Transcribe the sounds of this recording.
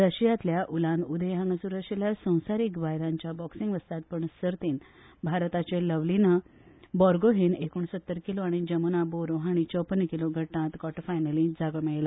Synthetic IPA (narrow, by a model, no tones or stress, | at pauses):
ɾəɕijat̪ljaʔulãnud̪ʱəjɦãŋɡəsuɾəɕeljasə̃w̃saɾiːkbajɾãɲt͡ɕjabɔksiŋɡʋəst̪at̪̚pəɳsəɾt̪iːn | bʱaɾt̪at͡ɕeləʋlinəbɔɾɡoɦiːnekuɳ̃əsət̪ːəɾkiloaɽ̃id͡ʑəmənaboɾoɦaɽ̃it͡ɕəwpənːəkiloɡʱəʈːãt̪kɔʈfajnəlĩd͡zaɡəmeɭla